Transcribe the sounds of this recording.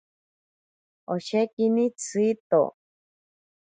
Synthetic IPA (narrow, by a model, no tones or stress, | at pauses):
oʃekinĩt͡sʰɨit̪o̰